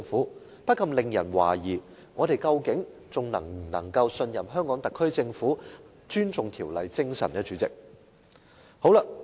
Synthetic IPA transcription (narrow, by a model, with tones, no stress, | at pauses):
ŋfuː˨˥ | pɐ˥t̚kʰɐ˧mlɪ˨˩ŋjɐ˨˩nwa̰ː˨˩jiː˨˩ | ŋɔː˨˧ɾe˨jkɐ˧wkɪ˨˥ŋ | t͡sʊ˨ŋnɐ̰˨˩ŋm̩˨˩nɐ̰˨˩ŋkɐ˧wsɵ˧njɐ˨˩mɦœː˥ŋkɔː˨˥ŋt̪ɐ˨kʰːɵ˥ɥt͡sɪ˧ŋfuː˨˥ | t͡ʃyː˥nt͡sʊ˨ŋt̪ʰiː˨˩wlɐ˨jt͡sɪ˥ŋsɐ̰˨˩nɛː˥t͡ʃyː˨˥t͡sɪ̰˨k̚ | ho˨˥wlɐ˧